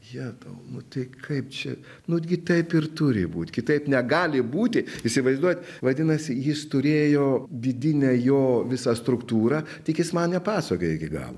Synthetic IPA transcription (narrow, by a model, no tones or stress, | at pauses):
jɛd̪ɐʊnʊt̪ɐɪkʰɐɪpt͡ʃʲɛ | nʊkʲɪt̪ɐɪpɪrt̪ʊɾʲɪ̰buːt̪ʲkʲɪt̪ɐɪpnʲɛɡɑːlʲɪbuːt̪ʲɪisʲɪʋɐɪzd̪uɔjt̪ʲʋɐd̪ʲɪnɐsʲɪjɪst̪ʊɾʲeːjoːd̪ʲɪd̪ʲɪnʲɛjoːʋʲɪsɑst̪ɾʊkt̪uːɾɑ | t̪ʲɪkjɪsmɐnnʲɛpɑːsoːkʲoːjɪɡʲɪɡɑ̰ːlˠo̰